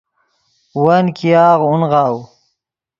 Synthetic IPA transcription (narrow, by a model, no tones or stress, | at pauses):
wɐnkijɑːʁunʁɑːw